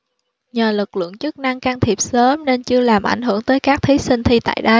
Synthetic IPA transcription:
ɲəː˨˩lɨ˨˩k̚lɨ̰˧˨əŋt͡ɕɨ˦˥k̚na˧ŋkaː˧ŋt̪ʰi˨˩əp̚səː˨˦mne˧nt͡ɕɨ˧əlaː˨˩mʔa˧˩jŋ̟ɦɨ˧˩əŋt̪əː˨˦jkaː˦˥k̚t̪ʰi˨˦si˧ŋ̟t̪ʰi˧t̪a̰ː˧˨jɗə˧j

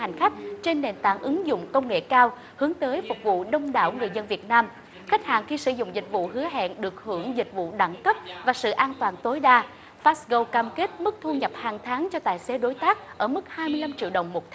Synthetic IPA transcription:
a˨˩jŋ̟xa˦˥k̟̚t͡ɕe˧nːe˨˩nt̪a̰ː˧˩ŋʔɨ˨˦ŋzʊ̰˧˨ŋ͡mkə˧wŋ͡mŋḛ˧˨kaː˧w | hɨ˨˦əŋt̪əː˨˦jfʊ˨˩k͡p̚vṵ˧˨ɗə˧wŋ͡mɗa̰ː˧˩wŋɨ˨˩əjzə˧nvi˨˩ət̚naː˧m | xa˦˥jk̟̚ha̰ː˧˨nxi˧sɨ˧˩zʊ̰˧˨ŋ͡mzï˨˩k̟̚vṵ˧˨ɦɨ˨˦əɦɛ̰ː˧˨nɗɨ˨˩ək̚hɨ˧˩əŋzï˨˩k̟̚vṵ˧˨ɗa̰ː˧˩nkə˦˥p̚vaː˨˩sɨ̰˧˨ʔaː˧nt̪waː˨˩nt̪o˨˦jɗaː˧ | faː˦˥sɣo˧wkaː˧mke˦˥t̚mɨ˦˥k̚t̪ʰu˧ɲə˨˩p̚haː˨˩ŋt̪ʰaː˨˦ŋt͡ɕɔ˧t̪a̰ː˧˨jse˨˦ɗo˨˦jt̪aː˦˥k̚ʔəː˧˩mɨ˦˥k̚haː˧jmɨ˧əjla˧mt͡ɕḭ˧˨wɗə̰˨˩wŋ͡mmo˨˩t̚t̪ʰ

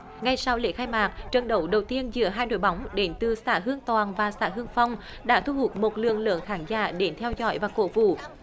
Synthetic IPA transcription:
ŋa˧˩jsa˧wlḛ˧˥xaː˧jmaː˨˩k̚t͡ɕə˨˩nɗə˨˦wɗə˨˩wt̪i˧ənzɨ̰˧˥əɦaː˧jno̰˧˨jɓa˨˦wŋ͡mɗe˨˦nt̪ɨ˨˩saː˧˥ɦɨ˧əŋt̪waː˨˩nvaː˨˩sa̰ː˧˥ɦɨ˧əŋfa˧wŋ͡m | ɗa̰ː˧˥t̪ʰu˧hu˨˩t̚mo˨˩t̚lɨ̰˧˨əŋlɨ̰˧˨əŋxaː˨˦ŋza̰ː˧˩ɗe˨˦nt̪ʰɛ˧wzɔ̰˧˥jvaː˨˩ko̰˧˥vṵ˧˨

